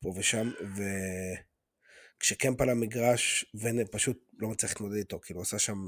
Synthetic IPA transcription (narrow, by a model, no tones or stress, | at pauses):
poveʃamve | kʃekempalamiɡʁaʃvenepaʃut̚ | lo̞mat͡sliiχlimod̪ed̪it̪o̞kiːluasaʃam